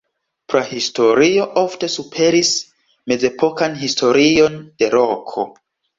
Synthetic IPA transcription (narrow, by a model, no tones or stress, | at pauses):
pɾahistʰo̞ɾio̞ʔofte̞supʰe̞ɾis | me̞ze̞pʰokanɦistʰo̞ɾio̞nd̥e̞ɾokʰo̰